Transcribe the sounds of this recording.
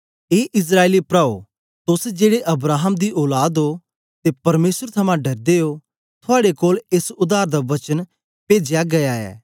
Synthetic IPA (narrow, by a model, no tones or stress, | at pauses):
eːʔɪs̬ɾaːeːlipɾaːo̰ | t̪ʊsd͡ʒeːɽeʔɐbɾaːɦəmd̪iʔɔːlaːd̪ɦo | t̪epɐɾmeːsəɾt̪ʰɐmãɖɐɾd̪eːo | t̪ʰʊaːɽekoːlesʊd̪aːɾd̪aʋɐt͡ʃən | peːd͡ʒjaɡɐjaɛ̰ː